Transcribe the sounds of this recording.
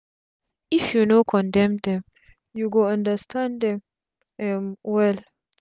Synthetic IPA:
ʔifjunokʰɔndɛmd̪ɛm | juɡɔɐnd̪ɐst̪ɐndɛm | mwɛl

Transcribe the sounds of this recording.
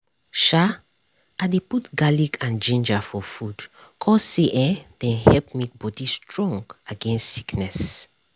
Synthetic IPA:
ʃa | adeputɡalikãnd͡ʒĩnd͡ʒafɔfud̥kʰɔseʔɛd̥ɛ̃nhɛlp̚mek̚bɔdistɹɔ̃ŋɡaɡɛ̃nstsi̥knɛs

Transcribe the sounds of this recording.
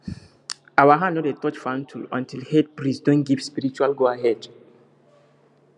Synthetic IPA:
awaɦãnnɔtetɔt͡ʃfãntʰulɔ̰̃ntʰilhɛd̚pɹisdɔ̃n̚ɡivspiɹit͡ʃualɡoaɦɛd

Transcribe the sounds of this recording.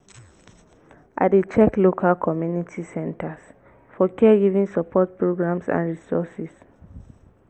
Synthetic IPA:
ʔa̰det͡ʃɛklokʰalkʰɔmjunitʰisɛ̃ntas | fɔkɛɡivĩŋsapʰɔt̚pʰɹoɡɹãmsã̰nɹisɔsis

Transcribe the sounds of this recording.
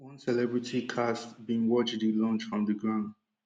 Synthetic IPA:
wʌ̃nsɛlɛbɹitʰikʰastbĩnwɔt͡ʃdilɔ̃nt͡ʃfɹɔ̃mðəɡɹãʊ̃nd

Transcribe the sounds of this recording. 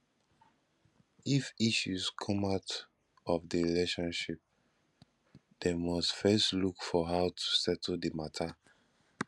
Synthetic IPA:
ifiʃuskʰɔ̃maʊt | ɔfdiɹileʃɔ̃nʃip̚ | d̥emɔstfɛstlukfɔɦaʊtʰu̥sɛtʰldimatʰa

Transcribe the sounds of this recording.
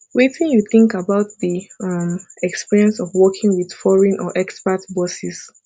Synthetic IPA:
wetĩnjuθɪ̃ŋkabaʊt̚ðiʌmɛkspiɹiɛ̃nsɔvwɔkʰɪ̃ŋwið̥fɔɹĩnʔɔʔɛkspatbɔsis

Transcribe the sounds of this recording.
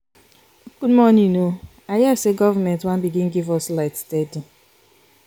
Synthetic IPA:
kudmɔnino | ajaseɡɔvamɛ̃ntwãnbiɡĩnɡivɔslaɪtstedu

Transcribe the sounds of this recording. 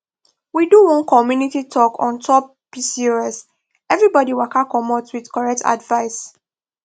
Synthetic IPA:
widuwɔ̃nkɔmjunititʰɔkʰɔ̰̃ntʰɔp̚ | pisioɛs | ɛvɹibɔdiwakakɔmɔtswidkɔɹɛk̚tʰa̰dvaɪs

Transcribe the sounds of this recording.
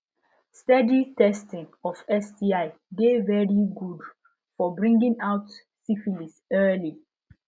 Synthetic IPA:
stɛditɛstĩŋɔfɛsdiaɪ | ɡevɛɹiɡud | fɔbɹĩŋɡĩŋaʊt | sifilisɜli

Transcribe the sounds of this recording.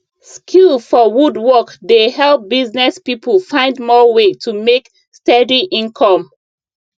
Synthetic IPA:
skʰulfɔwudwɔkdehɛlˠp̚biznɛspipʰəlfãɪ̃ndmɔwetʰumek | stɛdiʔĩnkʰɔ̃m

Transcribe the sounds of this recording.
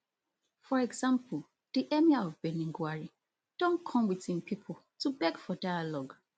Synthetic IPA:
fɔɹɛɡzãmpʰəlˠ | d̥iʔɛmiaɔvbɛnĩŋɡwaɹi | d̥ɔ̃nkʰɔ̃mwiθĩnpʰipʰɔl̩ˠ | tʰubɛɡfɔdajalɔɡ

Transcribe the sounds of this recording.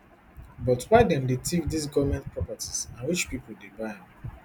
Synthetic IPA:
bɔtwaɪdɛ̃ndetʰek̚dis̬ɡɔvmɛ̃nt̚pɹɔpatisãnwit͡ʃpipoldebaj

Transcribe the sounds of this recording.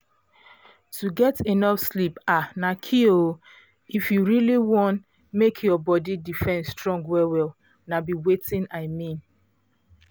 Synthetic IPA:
tuɡɛtenɔfslipanakʰio | ifjuɹiliwɔ̃nt | mekʰjɔbɔdidifɛ̃nstɹɔ̃ŋɡwɛwɛl | nabiwetĩnaɪmĩn

